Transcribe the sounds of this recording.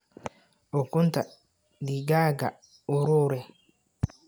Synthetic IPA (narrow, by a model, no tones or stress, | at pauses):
okunta | diɡaːɡa̰ | uɾoːɾɛ